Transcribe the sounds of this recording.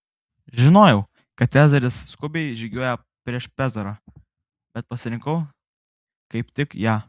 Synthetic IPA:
ʒʲɪnoːjɛʊ | kɐt̪sʲæːzɐɾʲɪsskʊbʲɛɪd͡ʒʲɪɡʲoːjɛ | pʲɾʲiɛʃpʲæːzɐɾɐ | bʲɛt̪̚pɐsʲɪɾʲɪŋkɐʊ | kɐɪpt̪ʲɪkjæː

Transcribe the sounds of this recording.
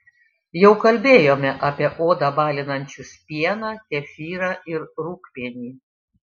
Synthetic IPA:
jɛʊkɐlʲbʲeːjoːmʲɛʔɐːpʲiɛʔoːd̪ɐbɑːlʲɪnɐnʲt͡ʃʲʊspʲiɛnɑːt̪ʲɛfʲiːɾɑːʔɪɾɾuːkpʲiɛnʲiː

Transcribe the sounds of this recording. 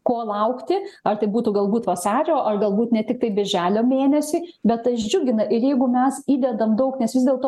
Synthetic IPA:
koːlˠɐʊkt̪ʲɪɐrt̪ɐɪbuːt̪uːɡɐlˠbuːt̪ʋɐsɑːɾʲoːʔɐrɡɐlˠbuːt̪nʲɛtʲɪk̚t̪ɐɪbʲɪrʲʒʲæːlʲoːmʲeːnʲɛsʲiːbʲɛt̪ɐʒʲd͡ʒʲʊɡʲɪnɐʔɪɾjɛɪɡʊmʲɛsiːd̪ʲɛd̪ɐmd̪ɐʊknʲɛsʋʲɪzd̪ʲeːlˠt̪oː

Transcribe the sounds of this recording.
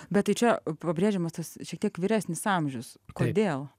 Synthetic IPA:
bʲɛt̪̚t̪ːɐɪt͡ʃʲɛpɐbʲɾʲeːʒʲɛmɐst̪ɐsʃʲiɛkt̪ʲiɛkʋʲiːɾʲæːsʲnʲɪsɑmʲʒʲʊskoːd̪ʲeːlˠ

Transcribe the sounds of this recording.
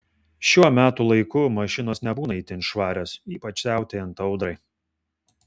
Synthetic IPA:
ʃʲuːɔmʲæːt̪uːlˠɐɪkʊmɐʃʲɪnoːsnʲɛbuːnɐiːt̪ʲɪɪnʃʋɑːɾʲoːsiːpɐt͡ʃsʲæˑʊt̪ʲeɪɐnt̪ɒʊd̪ɾɐɪ

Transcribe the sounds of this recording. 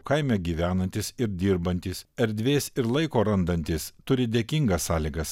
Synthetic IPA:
kɐɪmʲɛɡʲiːʋʲæːnɐnʲt̪ʲɪsɪɾd̪ʲiːɾbɐnʲt̪ʲisɛɾʲd̪ʲʋʲeːsɪɾlˠɐɪkoːɾɐnd̪ɐnʲt̪ʲɪst̪ʊɾʲɪd̪ʲeːkʲɪŋɡɐsːɑːlʲiɡɐs

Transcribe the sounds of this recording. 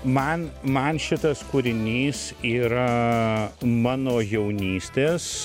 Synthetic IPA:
mɐnmɐnʃʲɪt̪ɐskuɾʲɪnʲiːsiːɾɐ | mɑːnoːjɛʊnʲiːsʲt̪ʲeːs

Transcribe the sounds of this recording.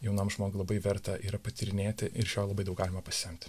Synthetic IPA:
jɛʊnɐmʒmoːɡʊlˠɐbɐɪʋʲɛɾt̪ɐʔiːɾɐpɐt̪ʲiɾʲɪnʲeːt̪ʲɪʔɪɾʃʲoːjlˠɐbɐɪd̪ɐʊkɡɑːlʲɪmɐpɐsʲɪɛmʲt̪ʲɪ̥

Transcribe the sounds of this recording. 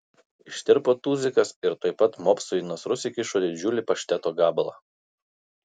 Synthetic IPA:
ɪʃʲt̪ʲɪɾpoːt̪uːzʲɪkɐsɪɾt̪oːɪpɐt̪moːpsʊnosɾʊsʲɪkʲɪʃoːd̪ʲɪd͡ʒʲʊlʲɪpɐʃʲt̪ʲɛt̪oːɡɑːblˠɑː

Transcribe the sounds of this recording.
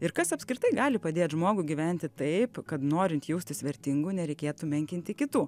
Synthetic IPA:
ɪɾkɐsɐpʲskɾʲɪt̪ɐɪɡɑːlʲɪpɐd̪ʲeːt̪ʒmoːɡʊɡʲiʋʲɛnʲt̪ʲɪt̪ɐɪpkɐt̪noːɾʲɪnt̪jɛʊsʲt̪ʲɪsʲʋʲɛɾʲt̪ʲɪŋɡunʲɛɾʲɛɪkʲeːt̪umʲɛŋʲkʲɪnʲt̪ʲɪkʲɪt̪uː

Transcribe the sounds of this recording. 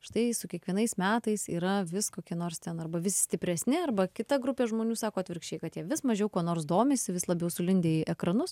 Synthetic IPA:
ʃt̪ɐɪsʊkʲiɛkʋʲiɛnɐɪsmʲæːt̪ɐɪsiːɾɐʋʲɪskoːkʲiɛnoːrst̪ʲɛnɐrbɐʋʲɪsʲɪ̥sʲt̪ʲɪpʲɾʲɛsʲnʲɪɐrbɐkʲɪt̪ɐɡɾʊpʲeːʒmoːnʲuːsɑːkoːɐt̪ʲʋʲɪɾkʃʲt͡ʃʲeːjkɐt̪jiɛʋʲɪsmɐʒʲɛʊkoːnoːrsd̪oːmʲeːsʲɪʋʲɪslˠɐbʲjɛʊsʊlʲɪnʲd̪ʲeːjɪʔɛkɾɐnʊs

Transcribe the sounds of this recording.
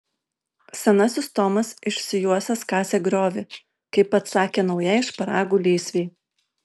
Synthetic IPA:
sʲɛnɐsʲɪst̪ɔːmɐsɪʃʲsʲɪjuɔsʲɛskɑːsʲeːɡɾʲoːʋʲɪ | kɐɪpɐt̪sɑːkʲeːnɒʊjɛɪʃpɐɾɑːɡuːlʲiːsʲʋʲeɪ

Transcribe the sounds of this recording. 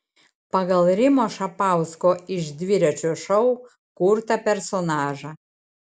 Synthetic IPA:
pɐɡɐlˠɾʲɪmoːʃɐpɑˑʊskoːɪʒd̪ʲʋʲɪɾʲɛt͡ʃʲoːʃɐʊ | kʊɾt̪ɐpʲɛɾsonɑːʒɑ

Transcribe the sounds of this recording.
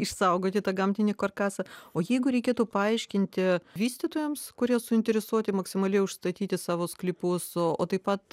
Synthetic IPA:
ɪʃsɐʊɡoːt̪ʲɪt̪ɐɡɐmʲt̪ʲɪnʲɪkɐrkɑːsɐoːjɛɪɡʊɾʲɛɪkʲeːt̪uːpɐɐɪʃʲkʲɪnʲt̪ʲɪʋʲiːsʲt̪ʲɪt̪oːjɛmskʊɾʲiɛsʊɪnʲt̪ʲɛɾʲɛsuɔt̪ʲɪmɐksʲɪmɐlʲɛɪʊʃst̪ɐt̪ʲiːt̪ʲɪsɑːʋoːsklʲɪpʊsooːt̪ɐɪpɐt̪

